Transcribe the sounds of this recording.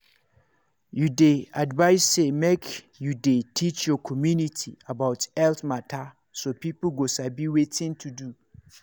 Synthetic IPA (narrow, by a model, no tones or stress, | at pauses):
judeadvaɪsːemek | judetʰit͡ʃjɔkʰɔmjunitʰḭabaʊtɛltmatʰa | sopiplɡosabiwetʰĩŋtʰudu